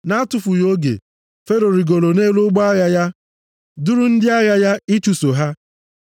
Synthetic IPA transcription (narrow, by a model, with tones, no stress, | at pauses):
na˦tʊ˨fʊ˨jo˦ɡḛ˨ | fe˦ɾo˨ɾi˨ɡo˨lo˨ne˦lʊ˦ɡ͡bɔ˦a˦ɣa˨ja˦ | dʊ˦ɾʊ˦n̩˦dɪ˦a˦ɣa˦ja˦i˦t͡ʃu˨so˨ɦa˦